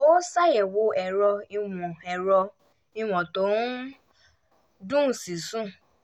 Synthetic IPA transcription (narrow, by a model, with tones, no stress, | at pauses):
o˦sa˦˨jɛ˨wo˨˦ɛ˨ɾɔ˧i˧w̃ɔ̃˨ɛ˨ɾɔ˧ | i˧w̃ɔ̃˨to˨˦ | dũ˦˨si˨sũ˦˨